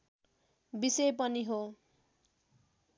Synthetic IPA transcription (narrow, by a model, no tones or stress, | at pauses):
bisejpʌniɦo